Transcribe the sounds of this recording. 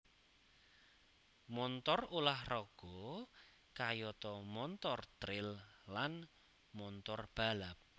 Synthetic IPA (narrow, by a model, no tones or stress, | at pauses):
mɔnt̪ɔrulahrɔɡ̥ɔ | kajɔt̪ɔmɔnt̪ɔrt̪ɾɪllan | mɔnt̪ɔrb̥a̤lap̚